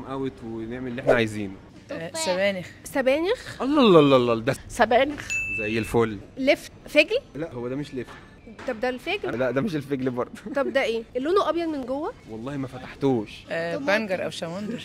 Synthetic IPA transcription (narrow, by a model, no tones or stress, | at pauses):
mʔæwet̪weneʕmellːʔeħnæʕajziːnː | sæbæːnexsæbæːnexʔɑlːɑlːɑlːɑlːɑld̪æsæbæːnexzæjːelfoːlːleffeɡllæʔhowːæd̪æmeʃlef | t̪æb̚d̪ælfeɡlælæʔd̪æmeʃ̬elfeɡlbɑɾˤd̪ˤt̪ːˤbd̪æʔeːʔelːonoʔɑbjɑd̪menɡowːæwɑlˤːɑːhimæfæt̪aħt̪uːʃʔbæŋɡɑɾˤʔæ̰wʃæmɑnd̪ɑɾ